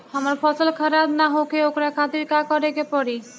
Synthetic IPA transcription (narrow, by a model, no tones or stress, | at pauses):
amaɾpɔsolkʰaɾad̪naɦokeokɾakʰat̪iɾkakɔɾekepɔɾi